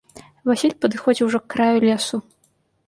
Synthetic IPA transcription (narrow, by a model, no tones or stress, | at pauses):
vasʲilʲpɐd̪ɨxɔd͡zʲiwʐɔkːɾajulʲesu